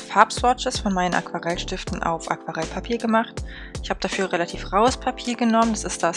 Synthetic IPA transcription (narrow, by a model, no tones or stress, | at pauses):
faɐpsvɔt͡ʃəsfɔnmaɪnənʔa̰kv̥aʁɛlʃtɪftn̩ʔa̰ʊfʔa̰kv̥aʁɛlpʰapʰiːɐɡəmaχt | ɪçhaːbəd̥afyːɐʁelatʰiːfʁ̥aʊəspʰapʰiːɐɡənɔməndasɪst̚d̥as